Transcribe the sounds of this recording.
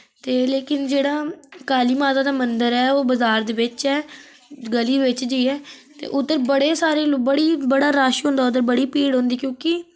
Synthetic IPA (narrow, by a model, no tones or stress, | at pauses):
t̪eːleːkɪnd͡ʒeːɽaːkaːliːmaːt̪aːd̪aːmənd̪əɾɛːoːbəzaːɾd̪eːʋɪt͡ʃɛː | ɡəliːʋɪt͡ʃd͡ʒəiːɛːt̪ḛːʔʊd̪əɾbəɽeːsaːɾeːlːbəɽiːbəɽaːɾaːʃɦõːnd̪aːʊd̪əɾbəɽiːpiːɽɦõːnd̪iːkjõːkɪ